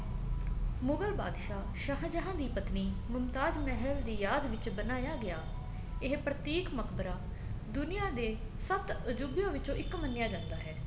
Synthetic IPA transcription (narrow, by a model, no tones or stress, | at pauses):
mʊɡəlba̰ːd̪ʃaː | ʃaɦd͡ʒəɦãːd̪iːpət̪niːmʊmt̪aːd͡ʒmɛɦəld̪iːjaːd̪ʋɪt͡ʃbənaːjaːɡɪjaː | ɪɦpɾət̪iːkməkʰbəɾaː | d̪ʊnɪjãːd̪eː | səbt̪əd͡ʒubjõːʋɪt͡ʃõːʔɪkmənːɪjaːd͡ʒãːnd̪aːɦɛː